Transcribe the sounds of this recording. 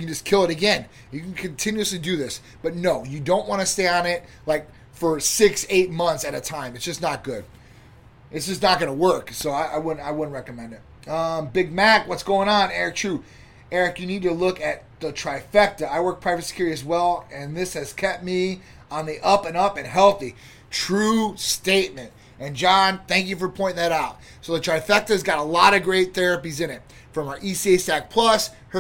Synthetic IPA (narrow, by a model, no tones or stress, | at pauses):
ɨkn̩d͡ʒʌskʰɪlˠəɾɨɡɛ̃n | jɨkn̩kʰɨ̃ntʰɪ̃njʉslidɨðɪs | b̥ʌtⁿnoʊjɨdõʊ̃nʔ̚wɑ̃nɨsteɪə̃nɪt̚ | laɪk̚ | fə˞sɪkseɪt̚mʌ̃nθsɨɾɨtʰãɪ̃mtsd̥ʒ̥ʌsnət̚ɡ̥ʊd̥̚ | ɨtsd̥ʒ̥ʌsnət̚ɡ̥ʌnəwɜ˞ksoʊaɪʔa̰ɪwʊdⁿn̩taɪwʊdⁿn̩̚ɹɛkɨmɛ̃ndɨt̚ | ʌ̃mbɪɡ̚mækwʌtsɡ̥oʊɪ̃ŋə̃nɛɹɨk̚tʰɹ̥ʉ | ɛɹɨkjɨnid̚tɨlʊkɨt̪̚ðətʰɹ̥aɪfɛk̚tɨaɪwɜ˞k̚pʰɹ̥aɪvɨsi̥kʰʊɹiɨzwɛlˠɨ̃nðɪshɨz̥kʰɛp̚t̚mi | ə̃nðiʔʌpɨ̃nʌpɨ̃nɦɛlˠθi | tʰɹ̥ʉsteɪt̚mɨ̃nt̚ | ɨ̃nd͡ʒɑ̃nθæ̃ŋk̬jɨfə˞pʰɔ̃ɪ̃ñɪ̃ŋðɨɾaʊt̚ | soʊðɨtʰɹ̥aɪfɛk̚tɨzɡɑɾəlɑɾʌɡɹeɪt̪̚θɛɹɨpizɨ̃ñɨt̚ | fɹʌ̃mʔisieɪsæk̚pʰl̥ʌs | hə